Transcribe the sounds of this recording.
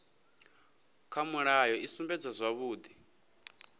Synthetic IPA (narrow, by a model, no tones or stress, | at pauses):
kʰamuɺajɔisumbɛd͡zazʷaβuːd̪i